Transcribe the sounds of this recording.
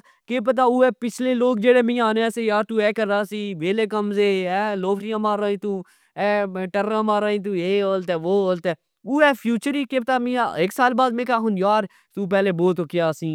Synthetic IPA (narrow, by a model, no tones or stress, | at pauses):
keːp̬ət̪̬aːuːɛːpɪt͡ʃʰleːloːk̚d͡ʒeːɽeːmĩːaːneɛːseːjaːɾt̪uːɛːkəɾːaːsiːʋeːleːkəmzeːɛːloːfʰɾɪjãːmaːɾãːĩːt̪uː | ɛːʈəɾãːmaːɾãːĩːt̪̬uːeːoːlt̪ɛːʋoːoːlt̪ɛː | uːɛːpʰjuːt͡ʃəɾiːkeːpət̪aːmĩːa̰eksaːlbaːd̪mẽːkaːɦʊnjaːɾ | t̪uːp̬ɛːleːboːt̪oːkɪjaːsĩː